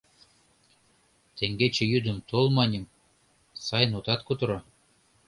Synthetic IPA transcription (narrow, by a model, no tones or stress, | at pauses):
t̪eŋɡet͡ɕĕjyd̪ə̆mt̪olˠmɑnʲim | sɑjnut̪ɑt̪kut̪ɤ̆ɾɑ̆